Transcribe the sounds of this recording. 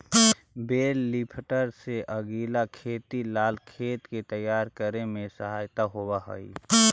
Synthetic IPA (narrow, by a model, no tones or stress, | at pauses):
beːlːipʰʈəɾseʔəɡiːlakʰeːt̪ilaːlkʰeːt̪ket̪əjaːɾkəɾemẽsəɦaːjt̪aɦowaɦə̰ḭ